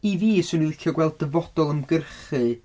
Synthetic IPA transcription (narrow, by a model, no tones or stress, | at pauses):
iviːsʊnilˠɪɬɔɡwɛlˠdəvɔd̥ɔlˠəmɡərχɨ